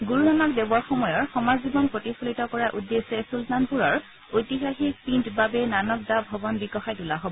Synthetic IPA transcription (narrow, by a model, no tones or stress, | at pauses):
ɡuɹunanɔkdebɔɹxɔmɔjɔɹxɔmazibɔnpɹotixolitɔkɔɹaʔudːesɛsultanpuɹɔɹ | ojtiɦaxik̚pintbabɛnanɔk̚dabʱɔbɔnbikɔxajtulaɦobɔ